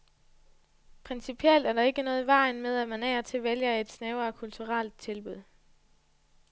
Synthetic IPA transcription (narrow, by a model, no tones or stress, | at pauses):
pʰʁɛnsipʰield̥æɐɾɑ̈e̝ɡ̥ənɔ̽ːð̩ˠʋɑ̈ɪnmeð̞ˠæmænæːɐt͡sʰe̝ʋeljɐe̝d̥snɛːʊɐkʰult͡sʰuʁald̥̚t͡sʰe̝lb̥uð̞̰ˠ